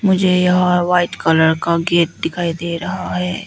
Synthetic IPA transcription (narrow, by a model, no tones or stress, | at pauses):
mʊd͡ʒʱejɐɦãʋaːɪʈkɐləɾkaɡeːʈ̚ɖɪkʰaːid̪eːɾɐɦaɦɛː